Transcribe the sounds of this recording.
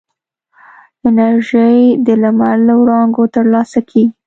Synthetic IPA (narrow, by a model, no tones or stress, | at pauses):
ɪnaɾʒəjd̪əlamalləwɽɑŋɡot̪əɾlɑsakʰeɡi